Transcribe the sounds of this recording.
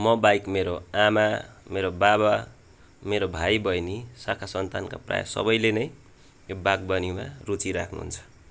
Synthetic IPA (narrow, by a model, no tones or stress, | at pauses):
mʌbajkmeɾoamameɾobaβa | meɾobʱajbʌjnisakʰasʌnt̪anka̰pra̰ja̰sʌ̰bʌjlenʌj | jobaɡ̚bʌnimarut͡siɾakʰnṵɦṵnt͡sʰʌ̥